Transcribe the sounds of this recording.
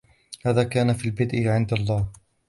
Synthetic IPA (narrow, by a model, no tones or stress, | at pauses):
haːðaːkaːnafiːlbɪd̪ʔɪʕɪnd̪alˤːɑːh